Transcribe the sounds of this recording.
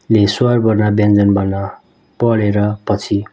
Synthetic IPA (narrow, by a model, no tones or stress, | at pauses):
leswarbʌrnabʌnd͡zʌnbʌna | pʌɽeɾʌpʌt͡sʰi